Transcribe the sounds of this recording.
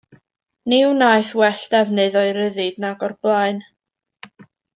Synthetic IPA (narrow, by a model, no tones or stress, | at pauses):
nɪwnaɨθwɛɬd̥ɛvnɨðɔɨɾəðɨdnaɡɔrblˠaɨn